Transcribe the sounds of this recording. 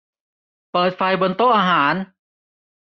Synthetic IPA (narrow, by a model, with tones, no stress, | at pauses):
pɤː˨˩t̪̚fa˧jbo˧nt̪o˥˩ʔaː˧ɦaː˩˦n